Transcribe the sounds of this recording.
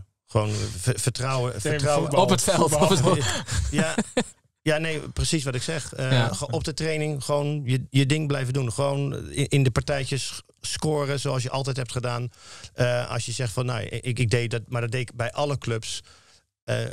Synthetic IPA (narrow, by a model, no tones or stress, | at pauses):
xəʋoːnfətrawəfətrawəɔpətfɛlˠ | ja | janeːprəsisʋɔtɪksɛxəɔp̚dətreːnɪŋxəʋownjəjədɪŋblɛjvəndunχəʋoːnʔɪndəpaɹtɛjt͡ʃəs | skoːrəsoːɑs̬jəʔɑlˠtɛjthɛp̚tχədaːnəɑ̰sjəsɛxtfɔnːo̰j̰ɪɪɡ̚dejdɔmadɔdeɪɪkbɛjʔɑləkløps | ə̰